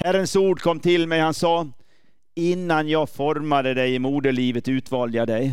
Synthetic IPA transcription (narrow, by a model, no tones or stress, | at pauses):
hæɾənsuːɖkʰɔmːt̪ʰɪlmɛɪhansɑː | ɪnːanjɑːɡfɔɾmad̪əd̪ɛɪɪmuːd̪əliːʋət̪ʉːt̪ʋɑːljɑd̪ɛɪ